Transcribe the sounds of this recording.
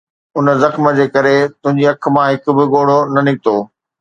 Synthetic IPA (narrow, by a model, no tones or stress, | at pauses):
ʊnə̆zɐxmə̆d͡ʑeːkɐɾet̪ʊ̃ɦɪ̃ɲd͡ʑiɐk̆ʰmãɦɪkʊ̆bɪɠoːɽ̤onɐnɪɡ̚t̪oː